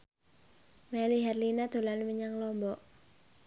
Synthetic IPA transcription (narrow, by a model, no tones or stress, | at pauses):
mɛliɦɛrlinad̪̥o̤lanməɲaŋlɔmbɔʔ